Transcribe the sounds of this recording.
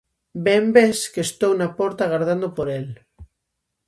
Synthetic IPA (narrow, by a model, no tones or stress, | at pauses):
bembeskest̪ownapɔɾt̪aɣaɾðand̪opoɾel